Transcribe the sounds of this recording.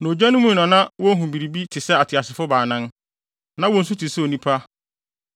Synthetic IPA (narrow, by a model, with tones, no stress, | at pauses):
nõ˨d͡ʑᶣa˦nʊ̃˦mũ˦˨nɔ̃˨nã˦wɔ˦ɦũ˨bi˨ɾi˨bi˦tʰɪ˨sɛ˦a˨tʰɪ˨a˨sɪ˨fʊ˦baː˨nã˦n | nã˨˦wɔ̃˨n̩˨s̬u˦tʰi˨sɛ˦o˨nĩ˦pʰa˦